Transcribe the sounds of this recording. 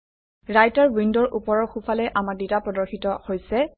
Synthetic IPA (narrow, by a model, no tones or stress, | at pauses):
ɹajtaɹwindɔɹʔupɔɹɔɹxupʰalɛʔamaɹditapɹɔdɔɹxitɔhojsɛ